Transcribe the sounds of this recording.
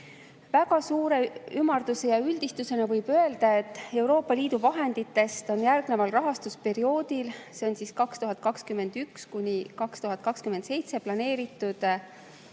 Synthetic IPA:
væɡɑsuːɾe̞ymːɑrd̪use̞jɑyld̪ist̪use̞nɑvɤjb̥ø̞e̞ld̪̥ɑe̞t̪ːˑe̞wɾo̞ːpːˑɑliːd̪uvɑɦe̞nd̪̥it̪ːe̞st̪o̞njærɡ̥ne̞vɑlrɑɦɑst̪uspe̞ɾio̞ːd̪̥ilse̞o̞nsiːskɑkst̪uɦɑt̪̚ˑkɑkskymːe̞nd̪̥ykskunʲikɑkst̪uɦɑt̪̚ˑkɑkskymːend̪se̞jt̪se̞plɑne̞ːɾit̪ːˑud̪̥

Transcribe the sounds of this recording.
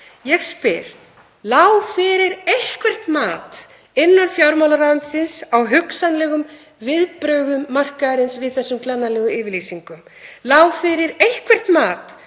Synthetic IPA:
jɛɣspɪɾ̥ | laːwfɪɾɪɾejhkvɛr̥t̪maːt̪ | ɪnːanfjawɾmawlaɾant̪sɪnsawɦʏksanlɛːɣʏm | vɪðpɾœɥɣʏmːar̥kaɾɪnsvɪðθɛsːʏmklanːalɛːɣʏɪːvɪɾlisiŋkʏm | laːwfɪɾɪɾejhkvɛr̥t̪maːt̪

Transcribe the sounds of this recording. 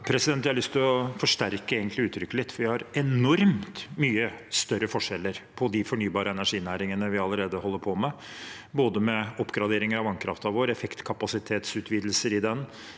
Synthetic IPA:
pʰɾɛsɪd̪ɛnt̪ʋɪæhɾlʏst̪ʰɪlɔfɔʂʈæɾkəeːɡənt̪lɪʉːt̪ːʰɾʏkːəlɪt̪ːfɔɾʋɪhɑɾɛnɔɾmt̪myːəst̪œɾːəfɔʂɛlːəɾpʰɔd̪ɪfɔɳyːbɑːɾəɛnæʂiːnæːɾɪŋənəʋɪɑlːəɾeːd̪əhɔlːəɾpʰɔmɛ | boːd̪əmɛɔpːɡɾɑd̪eːɾɪŋəɾɑʋɑŋkʰɾɑ̰ft̪ɑʋoːɾɛfɛkt̪kʰɑpɑsɪt̪ʰeːt̪sʉːt̪ʰʋiːd̪l̩səɾɪd̪ɛn

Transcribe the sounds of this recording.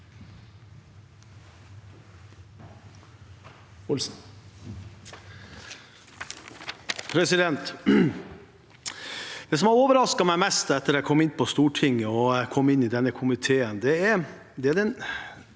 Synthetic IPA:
ʊl | pʰɾɛsɪd̪ɛnt̪ | d̪̥ɛːs̬ɔmɑɾoːʋəɾɑskɑmæɪmɛst̪ɛt̪ːəɾɔæɪkʰɔmɪnːpʰɔst̪uːʈʰɪŋːəɔkʰɔmːɪnːɪd̪ɛnːəkʰʊmɪt̪ʰeːənd̪ɛæɾ | d̪ɛæɾɛn

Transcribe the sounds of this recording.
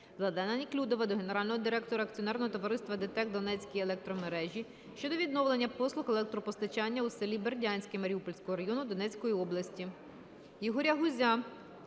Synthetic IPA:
ʋlˠɐd̪ɛnɐnʲiklʲud̪ɔʋɐd̪ɔɦe̞ne̞ɾɑlʲnɔɦɔd̪iɾɛk̚t̪ɔɾɐkt͡sʲijɔnɛrnɔɦɔt̪ɔʋɐɾɪst̪ʋɐd̪et̪ɛk̚d̪ɔnɛt͡sʲkʲijelˠɛk̚t̪ɾɔmeɾɛʒʲi | ʃt͡ʃɔd̪ɔʋʲid̪̚nɔʋlˠenʲːɐpɔslˠʊxelˠɛk̚t̪ɾɔpɔst̪ɐt͡ʃɑnʲːɐusɪlʲiberdʲanʲsʲkʲɪmɐɾʲiupɔlʲsʲkɔɦɔɾɐjɔnʊd̪ɔnɛt͡sʲkɔjiɔblˠɐsʲtʲi | jɔɦɔɾʲɐɦʊzʲa

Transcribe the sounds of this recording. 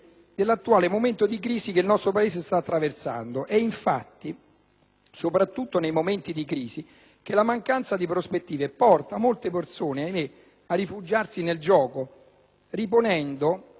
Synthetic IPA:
d̪elːat̪ːuaːlemoment̪od̪ikɾiːzik̟eilnɔst̪ɾopaeːs̬est̪aːt̪ːɾaversa̰nd̪oʔɛiɱfa̰t̪ːi | sopɾat̪ːut̪ːonejmoment̪id̪ikɾiːzi | k̟elamaŋkant̪sad̪ipɾospet̪ːiːvepɔrt̪amolt̪epert̪soːneajme | arːifud͡ʒarsineld͡ʒɔːko | riponɛnd̪o

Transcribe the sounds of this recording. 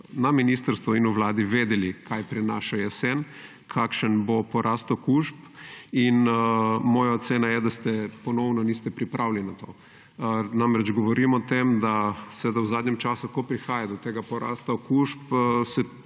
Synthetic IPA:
naminist̪əɾst̪ʋuinuʋlaːd̪iʋeːd̪ɛlikʰajpɾinaʃaɛsɛn | kʰakʃənbopɔɾʔast̪okuʃpinmɔːjaot̪seːnajɛd̪ast̪ɛpɔnɔwnɔnist̪ɛpɾipɾʔawlinat̪o̰ː | namɾɛd͡ʒɡɔʋɔɾimɔt̪emd̪asɛd̪awzaːd̪ɲɛmt͡ʃaːsukopɾixaːjad̪ɔt̪eːɡapɔɾa̰ːst̪aokuʃpsɛ

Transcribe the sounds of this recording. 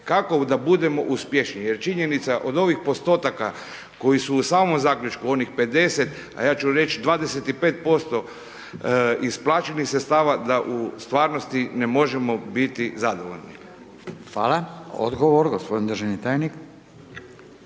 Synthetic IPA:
kako̞d̪abud̪e̞mo̞ʔuspjeʃnije̞ɾt͡ʃiɲe̞nit̪saʔo̞d̪o̞ʋixpo̞st̪o̞ːt̪aka | ko̞jisuːsaːmo̞mzaːkʎʲut͡ʃkuo̞nixpe̞d̪e̞set̪ | a̰jaːt͡ʃuɾe̞t͡ʃd̪ʋaːd̪ese̞t̪ipeːt̪̚po̞st̪o̞ | isplˠaːt͡ʃenixsest̪aːʋad̪aʔust̪ʋaːɾnost̪ine̞mo̞ʒe̞mo̞bit̪izad̪oʋo̞̰ʎnḭ | xʋa̰ːlao̰d̪ɡoʋoɾɡospod̪ind̪ɾʒenit̪aːjnik

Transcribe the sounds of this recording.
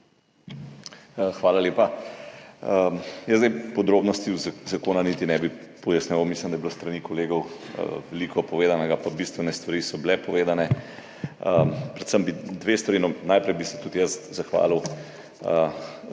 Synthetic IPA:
xʋaːlaleːpa | jəzd̪ɛjpɔd̪ɾoːbnɔst̪izzakoːnanit̪inɛbi | pɔjasnʲɛʋawmiːslimd̪ɐjɛbilost̪ɾɐnikɔleːɡɔw̰ʋɛliːkʰɔpɔʋeːd̪anɛɡapabist̪ʋɛnɛst̪ʋaɾiːsɔblɛpɔʋeːd̪anɛ | pɾɛt̪səmbid̪ʋest̪ʋaɾiːnɔnajpɾɛjbisɛ̥t̪ut̪jəszaxʋa̰liw

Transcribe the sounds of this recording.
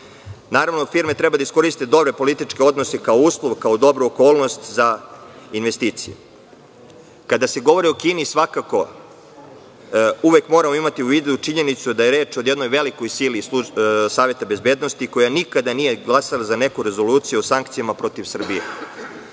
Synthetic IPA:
naːɾaʋnofiɾmet̪ɾɛbad̪aisko̞ɾist̪ed̪o̞bɾe̞po̞lit̪it͡ʃkeo̞d̪no̞sekaouːslˠoʋkaod̪o̞bɾuoko̞ːlˠno̞st̪zainʋe̞st̪iːt̪sije | kad̪ase̞ɡo̞ʋo̞ɾio̞kiːnisʋakako̞ | uʋekmo̞ɾamoimat̪iuʋiːd̪ut͡ʃiɲe̞nit̪sud̪ajeɾe̞ːt͡ʃod̪jed̪no̞jʋe̞liko̞jsiliusaːʋje̞t̪abe̞zbed̪no̞st̪iko̞janikad̪anije̞ɡlˠasalazane̞kuɾe̞zo̞luːt̪sijuosaŋkt̪sijamapɾo̞t̪iʋsr̩bijḛ

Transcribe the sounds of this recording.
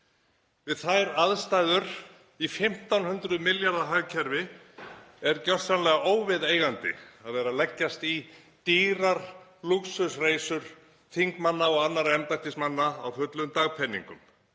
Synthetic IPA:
vɪðθajɾaðst̪ajðʏɾ̥ | ifɪm̥t̪awnhʏnt̪ɾʏðmɪljaɾðaɦaɣcʰɛɾvɪ | ɛɾcœr̥t̪sanlɛɣaoːwvɪðeːjɣant̪ɪ̰aðvɛːɾalɛcːast̪i | t̪iːɾaɾ̥luksʏsreːjsʏɾ̥ | θiŋkmanːaɔɣanːaɾɛmpat̪ɪsmanːaawfʏt̪lʏmt̪aɣpʰɛnːḭŋkʏm

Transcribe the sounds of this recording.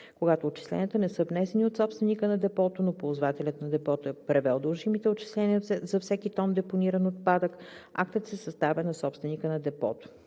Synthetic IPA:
koɡat̪oːt͡ʃi̥slɛ̰nʲiət̪ənɛsəvnɛsɛniot̪sɔpst̪vɛnikənɐd̪ɛpɔt̪onopozvat̪ɛlʲət̪nɐd̪ɛpɔt̪oɛpɾɛvɛlˠd̪əlˠʒimit̪ɛot͡ʃi̥slɛnʲiəzɐfsɛkit̪ɔnd̪ɛponiɾənot̪̚pad̪əka̰k̚t̪ət̪sɛsɐst̪avʲɛnɐsɔpst̪vɛnikənɐd̪ɛpɔ̰t̪o̥

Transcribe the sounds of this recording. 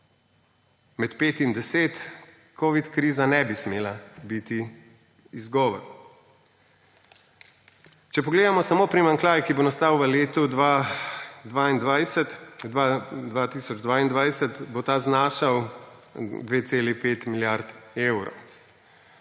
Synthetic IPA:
mɛt̪peːt̪ind̪ɛseːt̪ | koːʋit̪kɾiːzanɛbismeːlabit̪i | izɡɔːʋɔ̰ɾ | t͡ʃɛpɔɡleːd̪amɔsamoːpɾimaŋklaːjkibonast̪awʋəleːt̪u | d̪ʋaind̪ʋasad̪ʋat̪iːsɔd͡ʒd̪ʋaːind̪ʋajsət̪bot̪aznaʃaw | d̪ʋeːt̪seːlipeːt̪miljaɾt̪ewɾɔ̰w

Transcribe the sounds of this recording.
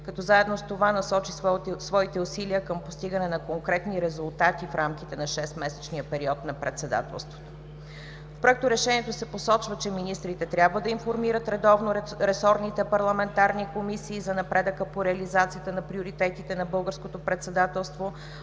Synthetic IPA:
kɐt̪ɔzaɛd̪nost̪ovanɐsɔt͡ʃissvɔit̪ɛusiliəkəmpost̪iɡənɛnɐkoŋkɾɛt̪niɾɛzulˠt̪at̪ifɾamkʲit̪ɛnɐʃɛst̪mɛsɛt͡ʃniəpɛɾiɔt̪nɐpɾɛ̰t̪sɛd̪a̰t̪ɛ̰lˠst̪vo̥t̪o̥ | fpɾoɛk̚t̪oɾɛʃɛniɛt̪osɛposɔt͡ʃvət͡ʃɛminist̪ɾit̪ɛt̪ɾʲjabvəd̪ɐinfoɾmiɾət̪ɾɛd̪ɔvnoɾɛsɔɾnit̪ɛpɐɾlˠɐmɛnt̪aɾnikomisiːzɐnɐpɾɛd̪əkəpoɾɛɐlizat̪sijət̪ənɐpɾioɾit̪ɛt̪it̪ɛnɐbɤlˠɡəɾskot̪opɾɛt̪sɛd̪at̪ɛlˠst̪vo

